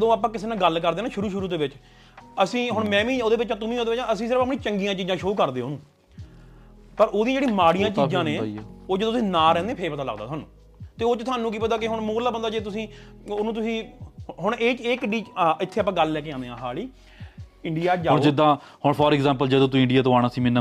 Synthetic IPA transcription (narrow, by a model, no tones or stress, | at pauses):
d̪õːaːpãːkɪseːnãːɡəlkəɾd̪eːnãːʃʊɾuːʃ̬ʊɾuːd̪eːʋɪt͡ʃ | əsĩːɦʊɳmɛ̃ːʋĩːoːd̪eːʋɪt͡ʃãːt̪ʊmĩːoːd̪eːʋɪt͡ʃãːəsĩːs̬ɪɾəfəp̬nĩːt͡ʃəŋɡijãːt͡ʃiːd͡ʒãːʃoːkəɾd̪eːɦoːnũː | pəɾoːd̪ĩãd͡ʒeːɽĩːmaːɽijãːt͡ʃːd͡ʒãːneːoːd͡ʒəd̪õːt̪ʊsĩːnaːɾɛ̃ːnd̪ẽːpʰeɾpət̪aːlə̰ɡd̪a̰ːaːnṵ̃ː | t̪eːoːt͡ʃt̪ʰaːnːũːk̬iːpət̪aːk̬ɪɦʊɳmoːlaːbənd̪aːd͡ʒeːt̪̬ʊsĩː | onũːt̪̬ʊsĩːɦʊɳeːt͡ʃeːkɖiːɪt̪ʰːeːapãːɡəlːɛːkeãːnd̪eːãːɦaːliː | ɪɳɖijaːd͡ʒaːd͡ʒɪd̪ãːhʊɽpʰɔːɾɡzãːmpəld͡ʒəd̪õːt̪ũːɪɳɖɪjaːt̪̬õːaːɽ̃aːsiːmɪnːaː